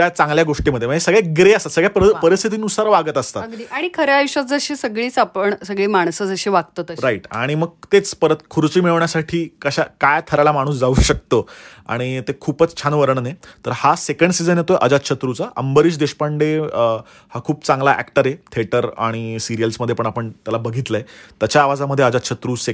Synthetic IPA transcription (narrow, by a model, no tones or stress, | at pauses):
at͡sãŋɡljaɡoʂʈiməd̪ʱjeməd͡ʑesəɡɭeɡɾeəst̪at̪səɡɭjappəɾist̪ʰit̪̬iːnusaɾʋaɡət̪əst̪at̪ɡliːʔaɽ̃ikʰəɾeajuɕatd͡zəɕesəɡɭiːt͡sapəɳsəɡɭiːmaɳ̃səd͡zəɕeʋaɡ̚t̪ot̪əɾaiʈa̰ɽ̃iməɡ̚t̪et͡spəɾət̪kʰuɾt͡ɕiːmiɭəʋɳjasaʈʰiːkəɕakajt̪ʰəɾalamaɽ̃uːs̬d͡zauːɕək̚t̪oa̰ɽ̃it̪ekʰuːpət͡st͡ɕʰanʋəɾəɳnet̪əɾhasekəɳɖsid͡zənjet̪ojʔəd͡zat̪̚t͡ɕʰət̪ɾut͡saʔəmbəɾiːɕd̪eɕpaɳɖe | hakʰuːpt͡sãŋɡlaʔæ̰kʈəɾet̪ʰeʈəɾa̰ɽ̃isiɾijəlsməd̪ʱːjepəɳapəɳt̪jalabəɡʱit̪ləet̪jat͡ɕaːʋad͡zaməd̪ʱːjeəd͡zat̪t͡ɕʰət̪ɾuːse